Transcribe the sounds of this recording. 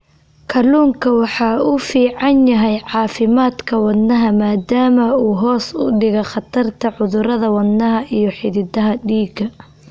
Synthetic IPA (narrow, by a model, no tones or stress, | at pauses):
kʰɐluːŋkʰɐwɑħɑːufiːʕɑnjɐɦɛjʕɑːfɪmaːd̪kʰɐwɑd̪nːɐɦɐmaːd̪aːmɐuːɦɔːsʊ̰ɖɪɣɔχɑt̪ʰɐrt̪ʰɐʕʊðʊɾɐðɐwɐnːɐɦɐʔijɞħɪðɪd̪ɐɦɐɖiːɡɐ